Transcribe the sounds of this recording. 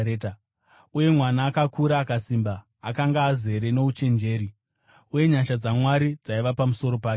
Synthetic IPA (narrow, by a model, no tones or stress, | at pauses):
eːta | uje̞mwanaːkakuɾaːkasimbaː | kaŋɡaːze̞ɾe̞no̞ut͡ʃe̞nd͡ʒe̞ːɾi | uje̞ɲaʃad͡zamwaɾid͡zaiʋapamuso̞ɾo̞paːke